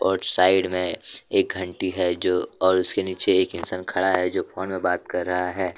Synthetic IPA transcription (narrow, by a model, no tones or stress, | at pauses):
pɔːɾsaːɪɖmẽeːk̚ɡʱɐ̃ɳʈiɦɛd͡ʒoːɔːɾʊskeniːt͡ʃeeːkɪnsaːnkʰɐɽaɦɛd͡ʒoːpʰɔːnmẽbaːt̪̚kɐɾːɐɦaɦɛː